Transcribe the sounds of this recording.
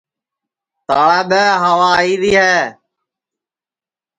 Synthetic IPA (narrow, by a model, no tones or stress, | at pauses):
t̪aːɭɛːɓəɦəʋaːiːɾiːɦɛː